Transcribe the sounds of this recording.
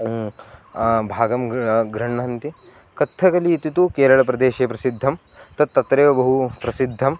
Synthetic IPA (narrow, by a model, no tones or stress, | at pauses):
bʱaːɡɐmɡɾɐɳːɐnt̪i | kɐt̪ʰːɐkɐliːt̪it̪ukeːɾɐɭɐpɾɐd̪eːʃeːpɾɐsid̪ʱːɐm | t̪ɐt̪ːɐt̪ɾeːʋɐbɐɦupɾɐsid̪ʱːɐm